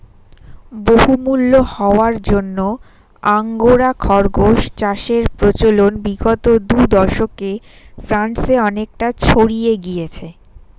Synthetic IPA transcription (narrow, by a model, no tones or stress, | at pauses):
boɦumulːohɔoaɾd͡ʑonːo | aŋɡoɾakʰɔɾɡʱoʃt͡ɕaʃeɾpɾot͡ɕolonbiɡot̪od̪ud̪ɔɾʃoke | fɾanseɔnek̚ʈat͡ɕʰoɽijeɡijet͡ɕʰe